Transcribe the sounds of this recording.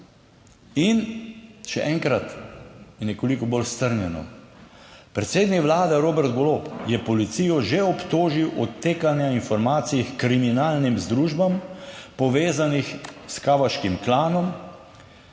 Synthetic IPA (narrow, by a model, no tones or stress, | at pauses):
inʃɛ̰ʔɛŋkɾat̪jɛnɛkɔlikɔbolst̪əɾnjɛnɔ̰ | pɾɛt̪seːd̪nikʋlaːd̪ɛɾoːbɛɾt̪ɡolopjɛpɔlit̪sijɔʒeɔpt̪oːʒiwʔɔt̪ːeːkanjainfɔɾmaːt̪sijxkɾiminaːlnimzd̪ɾuːʒbampɔʋeːzanixskaːʋaʃkimklaːnɔm